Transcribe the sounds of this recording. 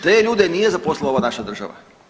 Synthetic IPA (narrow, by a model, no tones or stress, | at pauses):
t̪eːʎuːd̪enijezapo̞slˠeloanaʃad̪r̩ʒa̰ʋa̰